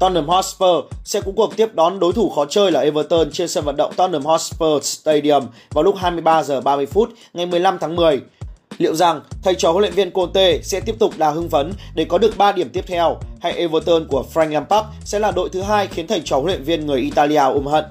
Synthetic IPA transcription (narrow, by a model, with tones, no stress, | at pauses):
t̪ɔ˧nːə˧˩əmhɔ˧˥spəː˧sɛ̰˧˥kʊ̰˧˥ŋ͡mku˨˩əŋt̪i˦˥əp̚ɗɔ˨˦nɗo˨˦jt̪ʰu˧˩xɔ˨˦t͡ɕəː˧jlaː˨˩ʔe˧vəː˧t̪əː˧nt͡ɕe˧nsəː˧nvə̰˧˨nɗə̰˧˨ŋ͡mt̪ɔ˧nːə˧˩mhɔ˧˥spəː˧st̪ə˧jɗi˧˩əmvaː˨˩wlʊ˦˥k͡p̚ɦaː˧jmɨ˧əjɓaː˧zəː˨˩ɓaː˧mɨ˧əjfu˦˥t̚ | ŋa˨˩jmɨ˨˩əjla˧mt̪ʰaː˨˦ŋmɨ˨˩əjlḭ˧˨əwza˨˩ŋt̪ʰə˨˩jt͡ɕɔ˨˦ho̰˧˥lw̰i˧˨˩vi˧ənko˧nt̪e˧sɛ̰˧˥t̪i˦˥əp̚t̪ʊ˨˩k͡p̚ɗaː˨˩ɦɨ˧˦ŋvə˨˦nɗe˧˩kɔ˨˦ɗɨ˨˩ək̚ɓaː˧ɗi˧˩əmt̪i˦˥əp̚t̪ʰɛ˧wha˧jʔe˧vəː˧t̪əː˧nku˧˩əfɾa˧jŋlaː˧npaː˦˥k̚sɛ̰˧˥laː˨˩ɗo̰˧˨jt̪ɨ˨˦ɦaː˧jxi˨˦ənt̪ʰə˨˩jt͡ɕɔ˨˦o˧˥lwḭ˧˨nvi˧ənŋɨ˨˩əjʔi˧t̪aː˧li˧aː˧ʔu˧˩mɦə̰˧˨nʔ